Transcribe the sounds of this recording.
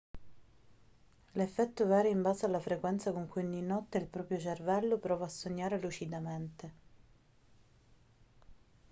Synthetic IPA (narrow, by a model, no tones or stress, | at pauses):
lefːɛt̪ːovaːɾeimbaːzealːafɾekwɛnt̪sakoŋkunːinɔt̪ːeilpɾɔːpɾjot͡ʃervɛlːopɾɔːvaːsːoɲːaːɾelut͡ʃid̪ament̪e